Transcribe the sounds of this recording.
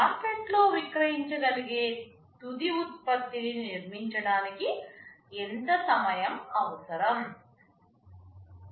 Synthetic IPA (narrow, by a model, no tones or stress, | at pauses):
aːspeʈloːʋikɾɐjiɲt͡ʃɐɡɐliɡeː | t̪ud̪iut̪̚pɐt̪ːininiɾmiɲt͡ʃɐɽaːniki | ent̪ɐsɐmɐjɐmɐʋɐsɐɾɐm